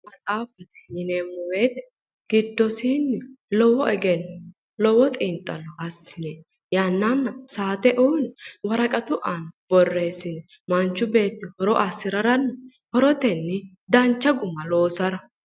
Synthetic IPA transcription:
mɐt͡sʼaːfɐt̪ɛ̥jɪnemːɔweːt̪ɛ | ɡ̥ɪd̪ːɔsiːnːɪlɔwɔʔɛɡɛn | lɔwɔt̪ʼɪnt̪ʼːɐlːɔʔɐsːɪnɛ | jɐnːɐnːɐsaːt̪ɛʔuːnwɐɾɐkʼɐt̪ʊʔɐnb̥ɔrːe̞ːsɪnɛ | mɐnt͡ʃːʊbe̞ːt̪ːɪhɔɾɔʔɐsɪɾɐɾɐnːɐhɔɾɔt̪ɛnːɪ | d̪ɐnt͡ʃːɐɡʊmːɐlo̞ːsɐɾɐ

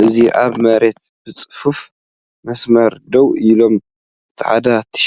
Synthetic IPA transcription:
ʔɨziʔaβmɐɾet̪b̥ɨt͡sʼɨ̥fuf | mɐsmɐɾd̪ɐwilo̞m | ʔɨt̪ʰiħʕa̰d̪at̪ʰɐ̥ʃ

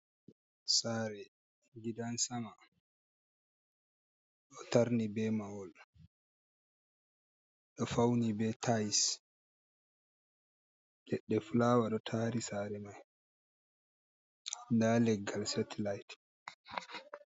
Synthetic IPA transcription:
saɾɛ | ɡidansama | ɗɔtaɾnibɛmawɔl | ɗɔfawnibɛtʰajs | dɛɗːɛfulaːwaɗɔtʰaːɾisaːɾɛmaj | ndalɛɡːalsɛtlajt

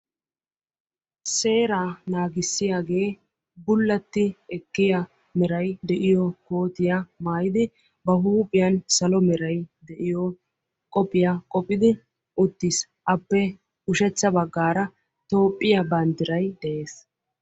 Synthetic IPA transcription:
se̞ːɾaːnaːɡɪsːɪjaːɡe̞ː | bʊlːɐt̪ːɪɛkːɪja | mɛɾɐjd̪ɛʔɪjɔko̞ːt̪ɪjɐmaːjɪd̪ɪ | bɐɦuːpʼɪjɐnsɐlɔmɛɾɐjd̪ɛʔɪjɔ | kʼɔpʼːɪjakʼɔpʼːɪd̪ɪ | ʊt̪ːɪs | ʔɐpːɛ | ʊʃɛt͡sːɐbɐɡːaːɾɐ | t̪o̞ːpʼːɪjɐbɐnd̪ɪɾɐjd̪̥ɛʔeːs

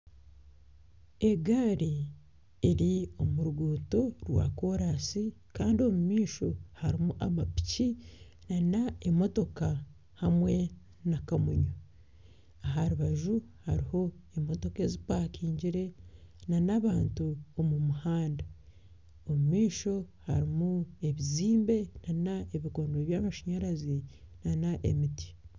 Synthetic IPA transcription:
e̞ɡaːɾi | eɾio̞muɾuɡuːto̞ɾwa̰ːko̞ɾasi | kaːndio̞mumiːʃo̞haɾimuʔa̰mapi̥ci | nanaemo̞to̞ka | hamwe̞ | nakamuɲo | aɦaɾuβaʒuhaɾiho̞emo̞to̞ke̞zipakiːɲɟiɾe̞nanaβaːntuomumuhaːnda | omumiːʃo̞haɾimue̞βiziːmbe̞nanaeβiko̞ːndoeβjaːmaʃaɲaɾazinanaʔemiti̥

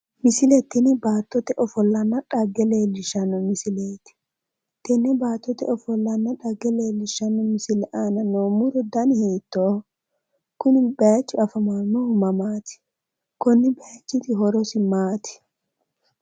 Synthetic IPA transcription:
mɪsɪlɛt̪ːɪnɪbaːt̪ːɔt̪ɛʔɔfɔlːɐnːɐᶑɐɡɛleːlːɪʃɐnːɔmɪsɪleːt̪ɪ̥ | t̪ɛnːɛbaːt̪ːɔt̪ɛɔfɔlːɐnːɐᶑɐɡːɛleːlːɪʃɐnːɔmɪsɪlɛʔaːnɐnoːmʊɾɔd̪ɐnɪheːt̪ːo | kʊnɪbɐjɐt͡ʃːʊɐfɐmamːɔhʊmɐmaːt̪ɪ̥ | kɔnːɪbɛjat͡ʃːɪt̪ɪɦɔɾɔsɪmaːt̪ɪ̥

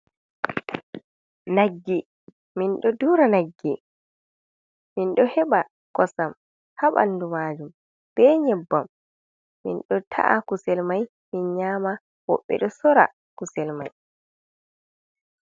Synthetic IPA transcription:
naɡːi | minɗɔduɾanaɡːi | minɗɔhɛɓa | kɔsam | haɓa̰nːdumaːd͡ʒum | b̥ɛɲɛbːamː | ḭnɗɔtʰa̰ʔakusɛlmaj | minɲaːma | wɔ̰ɓːɛ̰ɗɔsɔɾa̰ | kusɛlmaj

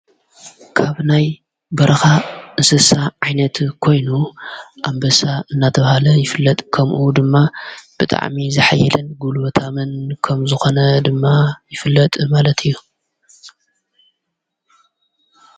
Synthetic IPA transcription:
kʰaβnaj | bɐɾɐxaʔɨsɨsaʕajnɐt̪kʰo̞jnuʔambɐsaɨnːat̪ʰɐβhalɐjɪfɨlːɐt̪ʼkʰɐmʔud̪ɨmːab̥ɨt̪ʼa̰ʕmizɨħajːɛlɨnɡulwɐt̪ʰamɨnkʰɐmzɨxo̞nɐd̪ɨmːajɪfɨlːɐt̪ʼmalɐt̪ʰɨjːu

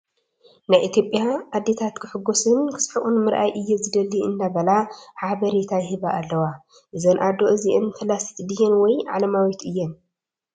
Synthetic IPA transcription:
najʔit̪ʰjo̞pʼjaʔad̪ːet̪ʰat̪kʰɨħɨɡːosɨnkʰɨ̥sħuʔunmɨɾʔa̰jʔɨjːɛzɨd̪ɐliɨnːaβɐlaħaβɐɾit̪ʰajhɨβaʔːlːɐwa | ʔɨzɐnʔad̪o̞ʔɨziʔɨnfɨlasi̥t̪d̪ɨjːɛnwɔjʕa̰lɐmawit̪ɨjːɛn

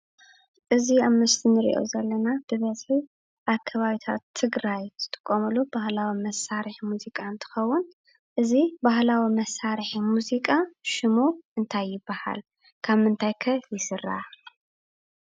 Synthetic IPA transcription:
ʔɨziaβmɨst̪ʰinɨɾḭʔo̰zɐlːɐnab̥ɨβɐzħi | ʔaβkʰɐβaβit̪ʰa̰t̪ʰːɨɡɾajt̪ʰɨ̥t̪ʼɨ̥kʼːomɨlub̥ahlawimɐsaɾħmuzikʼaɨnt̪ʰɨ̥xɐwːʊn | ʔɨzibahlawimɐsaɾħimuzikʼaʃɪmuɨnt̪ʰajːɪbːaha̰l | kʰaβmɨnt̪ʰajkʰɐjɪsɨrːa̰

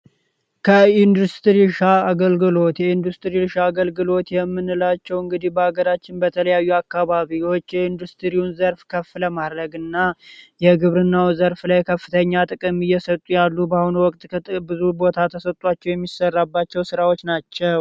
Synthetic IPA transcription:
kʰəind̪ust̪ɾiʃaːɡəlɡɨlo̞t̪jɛind̪ust̪ɨɾilʃaːɡəlɡɨlo̞t̪jɛmːɨnɨlat͡ʃːɛwɨŋɡɨd̪ihbəhaɡəɾat͡ʃːɪnbət̪ʰələjajːuakːaβaβiwo̞t͡ʃːjɛind̪ust̪ɨɾiwunzəɾfkʰəfləmad̪ɾəɡɨnːajɛɡɨβɾɨnːawzəɾflajkʰəfːɨt̪ʰəɲːat̪ʼɨkʼɨmɨjːɛsət̪ʼːujalːubahunuwɔkʼt̪ʼbɨzubo̞t̪ʰat̪ʰəsət̪ʼat͡ʃːɛwjɛmːisərːabːat͡ʃːɛwsɨɾawo̞t͡ʃːnat͡ʃːɛw

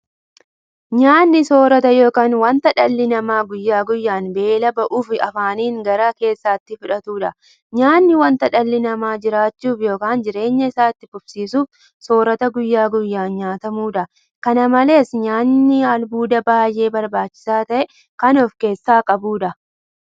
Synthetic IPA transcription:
ɲaːnːɪso̞ːɾɐt̪ɐjo̞ːkaːnwɐnt̪ɐᶑɐlːɪnɐmaːɡʊjːaːɡʊjːaːnbe̞ːlɐbɐʔuːfɪɐfaːniːŋɡɐɾaːke̞ːsːaːt̪ːɪfʊᶑɐt̪uːᶑɐ | ɲaːnːɪwɐnt̪ɐᶑɐlːɪnɐmaːd͡ʒɪɾaːt͡ʃːuːfjo̞ːkaːnd͡ʒɪɾe̞ːɲːɐɪsaːt̪ːɪfʊb̥siːsuːf | so̞ːɾɐt̪ɐɡʊjːaːɡʊjːaːnɲaːt̪ɐmuːᶑɐ | kɐnɐmɐle̞ːsɲaːnːɪɐlbuːd̪ɐbaːjʔe̞ːbɐɾbaːt͡ʃːɪ̥saːt̪ɐʔɛ | kɐnɔfke̞ːsːaːkʼɐbuːᶑɐ

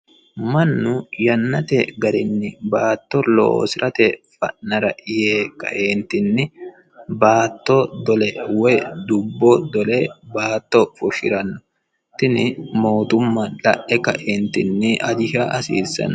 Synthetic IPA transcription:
mɐnːʊjɐnːɐt̪ɛɡɐɾɪnːɪbaːt̪ːɔlo̰ːsɪɾʔɐt̪ɛfɐ̰ʔːɐɾɐʔɪjeːkɐ̰ʔeːnt̪ɪnːɪ | baːt̪ːɔd̪ɔlɛwɛd̪ʊbːɔd̪ɔlɛbaːt̪ːɔfʊʃɪ̰ɾɐnːɔ̥ | t̪ɪnɪmo̞ːt̪ʊmːɐlɐ̰ʔɛkɐ̰ʔeːnt̪ɪnːɪʔɐd͡ʒɪʃaʔɐsiːsːɐ̰n

